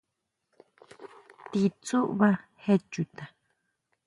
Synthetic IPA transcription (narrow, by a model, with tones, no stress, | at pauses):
t̪i˧t͡su˦ʔβa˦he˦t͡ʃu˨t̪a˨